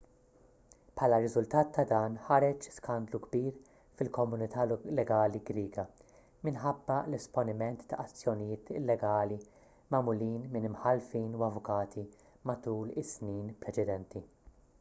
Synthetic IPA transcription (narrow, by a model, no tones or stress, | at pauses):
pʰħɐːlɐɾɪzʊlt̪ɐːt̪ʰːɐd̪ɐːnħɐɾɛt͡ʃskɐnd̪luɡbiːɾ | fɪlkɔmʊnɪt̪ʰɐlɛɡɐːliɡɾiːɡɐ | mɪnħɐbːɐlɛspɔnɪmɛnt̪ːɐʔɐt͡sːjɔnɪjɪːt̪ɪlːɛɡɐːli | mɐmʊliːnmɪnɪmħɐlfiːnuwɐvʊkɐːt̪ʰi | mɐt̪uːlɪsniːnpɾɛt͡ʃɛd̪ɛnt̪ʰi